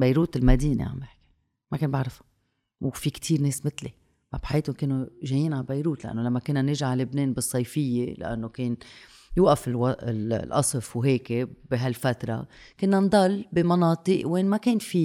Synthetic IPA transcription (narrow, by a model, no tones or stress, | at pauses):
bajɾuːt̪ɪlmad̪iːnḛʕa̰mbjɪħki̥ | makeːnbaʕɾˤɪfḁ | wfikt̪ʰiːɾneːsmɪt̪le | mabħajeːt̪ʊnkɪnːoʒejːiːnʕabajɾuːt̪laʔa̰nːolamːakɪnːanɪʒʕalɪbneːnbɨsˤːɑjfɪjːela̰ʔa̰nːokeːn | juːʔafɪlwɑɪllʔɑ̰sˤɨfwɦeːkebɪɦalfat̪ɾˤɑ̰ | kɪnːand̪ˤɑlːbɪmɑnɑːt̪ˤɨʔweːnmakeːnfi